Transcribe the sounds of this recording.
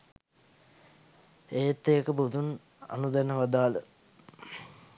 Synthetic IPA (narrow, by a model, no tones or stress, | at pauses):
eːt̪ːeːkəbud̪un | a̰nud̪ɛnəʋad̪aːlə